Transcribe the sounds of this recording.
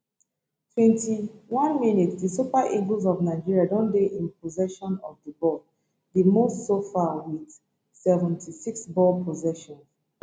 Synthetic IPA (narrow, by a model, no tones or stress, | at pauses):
tʰwɛ̃ntiwãnminitsdisupaʔiɡozɔvnaɪd͡ʒiɹiadɔ̃ndeʔĩnpʰozɛʃɔ̃nɔvdəbɔl | ðimostsofawid | sɛvɛ̃ntʰisiksbɔlpʰɔzɛʃɔ̃ns